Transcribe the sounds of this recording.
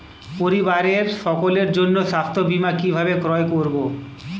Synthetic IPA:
poɾibaɾeɾʃɔkoleɾd͡ʑonːoʃapt̪obimakibʱabekɾɔekoɾbo

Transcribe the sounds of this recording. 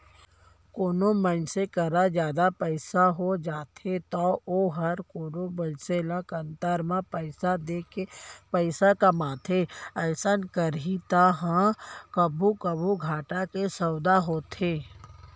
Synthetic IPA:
koːnomənsekəɾad͡ʒjaːd̪apəɪsaɦod͡ʒaːt̪ʰet̪ɔːoːɦɐɾkoːnobənselãkɐnt̪aɾmãsad̪ekpəɪsakəmaːt̪ʰeəɪsənkəɾit̪aɦãkəbʱukəbʱuɡʱaːʈakesəwd̪aɦoːt̪ʰeː

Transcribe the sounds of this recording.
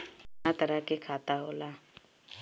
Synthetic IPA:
at̪əɾəkekʰaːt̪aɦoːlaː

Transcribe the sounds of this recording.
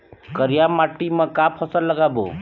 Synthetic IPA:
kəɾijamaʈːimãkapʰəsəlːəɡabo̰

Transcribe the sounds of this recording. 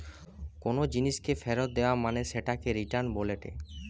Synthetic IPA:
konod͡ʑiniʃkefʰeɾot̪̚d̪eoamaneʃeʈakeɾiʈaɾnboleʈḛ

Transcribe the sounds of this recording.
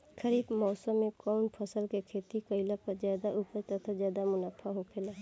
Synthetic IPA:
kʰəɾiːbmɔːsəmːẽkɔːnpʰəsəlkekʰeːt̪ikəɪlapəɾzjaːd̪aʔuːpəɾt̪ət̪ʰazjaːd̪amʊnaːpʰaɦokʰelaː

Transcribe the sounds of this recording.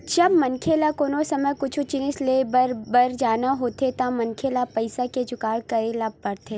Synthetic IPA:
d͡ʒɐbmɐnkʰelakoːnosɐməjkʊt͡ʃʰut͡ʃɪnɪslebəɾbɐɾd͡ʒaːnaɦoːt̪et̪amɐnkʰelapɐɪsaked͡ʒʊkaːɽkɐɾelab̚pɐɾt̪ʰeː

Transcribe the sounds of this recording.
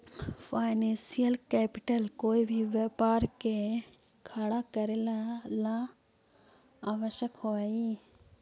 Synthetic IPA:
pʰaːɪnẽːsijəlkɛːpɪʈəlkoːibʱiʋjəpaːɾke | kʰaɽakəɾelalã | aːʋəʃjəkhoai

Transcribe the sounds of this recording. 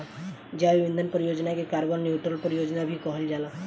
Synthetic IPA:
d͡ʑjaʋiʋind̪ʱənpəɾijod͡ʒnakekaɾbəɾnjuʈɾəlpəɾijod͡ʒnabʱiːkəɦəld͡ʒala

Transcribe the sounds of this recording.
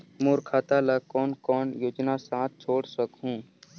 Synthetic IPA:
moːɾkʰaːt̪alɐkɔːnkɔːnjoːd͡ʒnasãːt̪̚t͡ʃʰoːɽsəkɦũː

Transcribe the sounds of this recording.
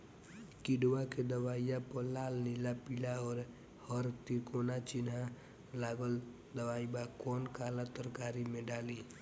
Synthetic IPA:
kiɖwaked̪əbaːijapəlaːlnilapilaɔːɾ | həɾt̪ikonat͡ʃina | laːɡəl | d̪əwaibakɔːnkalat̪əɾkaɾimẽɖaːli

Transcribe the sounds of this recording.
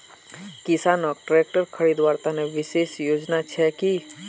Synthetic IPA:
kɪsaːnɔk̚ʈɾek̚ʈəɾkʰəɽid̪ʋaːɾt̪aneʋɪʃeːʃjoːd͡ʒnat͡ʃʰɛki

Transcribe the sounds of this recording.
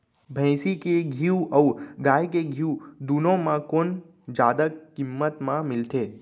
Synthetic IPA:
bʱə̃j̃sikeɡʱiuʔəuɡajkeɡʱiud̪unõmãkon | d͡ʒad̪əkimːət̪mãmɪlt̪ʰe

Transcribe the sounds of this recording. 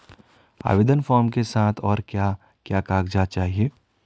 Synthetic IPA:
a̰ːʋɪd̪ənfɔːɾmkesaːt̪ʰɔːɾkjaː | kjaːkaːkd͡ʒat͡ʃaːɦieː

